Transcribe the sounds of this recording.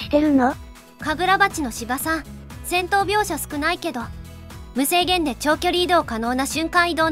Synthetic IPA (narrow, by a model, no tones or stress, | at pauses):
t̪eɾɯ̟no | kabɯ̟ɾabat͡ɕino̞ɕibasã | sẽ̞nt̪o̞ːbʲo̞ːɕasɨ̥kɯ̟naike̞d̪o̞ | mɯ̟se̞ːɡẽ̞nd̪e̞t͡ɕo̞ːkʲo̞ɾʲiːd̪o̞ːkano̞ːnaɕɨ̃ŋkãɰ̃id̪o̞ː